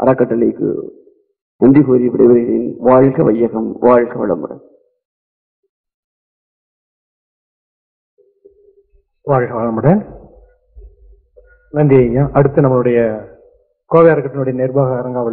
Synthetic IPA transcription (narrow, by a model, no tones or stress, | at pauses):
ʔɐ̰ɾɐkːɐʈːɐɭɪ̰kːɯ̰ | t̪ɛndipoːɾiʋɪɽɐɪʋɐɪɾḛːnʋaːɻɣɐʋɐjːɐɣɐmʋaːɻɣɐʋɐ̰ɭɐ̰mɐɽɐ̰ | ʋaːɻɣɐʋɐɭɐmɐɽɐ | nɐnd̪ɪɐjaːʔɐɽɯt̪ːɯnɐmɐɭɯɽɐjɐ | koːʋɛjɐɾɐkːɐʈːɐnɯɽɐjɐnɛɾbaːɣɐːɾɐŋɡaːʋɐɭ